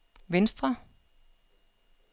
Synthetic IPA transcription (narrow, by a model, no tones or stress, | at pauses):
ʋɪnst̪ʁa